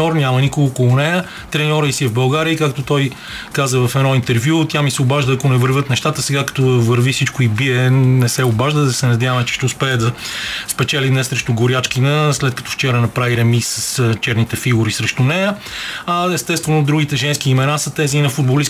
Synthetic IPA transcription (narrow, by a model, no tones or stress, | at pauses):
ɔɾnʲamənikʊɡoːkolˠʊnɛjə | t̪ɾɛnʲɔɾəisiɛvbɐlˠɡaɾiəikakt̪ot̪ɔj | kazəvɐfɛd̪nɔint̪ɛɾvjut̪ʲjamisɛobaʒd̪əːkonɛvəɾvʲət̪nɛʃt̪at̪əsɛɡakɐ̥t̪ɔvəɾvifsit͡ʃkoibiɛnɛsɛʊbaʒd̪əd̪ɐsɛnɐd̪javəmɛt͡ʃɛ̥ʃt̪ɛʊspɛɛd̪ɐspɛt͡ʃɛlid̪nɛsːɾɛʃt̪ʊɡʊɾjat͡ʃkinɐslɛt̪̚kɐ̥t̪ɔ̥ft͡ʃɛɾənɐpɾaviɾɛmisəst͡ʃɛɾnit̪ɛfiɡʊɾisɾɛʃt̪ʊnɛjə | ɐɛst̪ɛst̪vɛnʊd̪ɾuɡit̪ɛʒɛnskiːmɛnasət̪ɛziːnɐfud̪bolis